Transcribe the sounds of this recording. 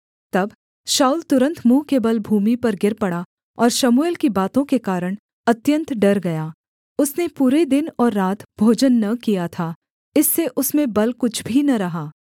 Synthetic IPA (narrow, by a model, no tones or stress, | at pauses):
t̪ɐb | ʃaːult̪ʊɾə̃nt̪mũːɦkebɐlbʱuːmipɐɾɡɪɾpɐɽa | ɔːɾʃɐmuelkibaːt̪õkekaːɾəɽ̃ | ɐt̪jə̃nt̪ɖɐɾɡɐjaː | ʊsnepuːɾed̪ɪnɔːɾːaːt̪bʱoːd͡ʒənːɐkijat̪ʰaː | ɪsːeʔʊsmẽbɐlkʊt͡ʃʰbʱinɐɾɐɦaː